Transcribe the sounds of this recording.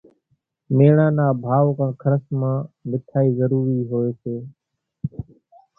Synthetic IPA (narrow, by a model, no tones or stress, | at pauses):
meːɳãːnaːbʱaːʋkãːkʰəɾəsmãːmɪt̪ʰaːiːzəɾuːɾiːɦoːeːseː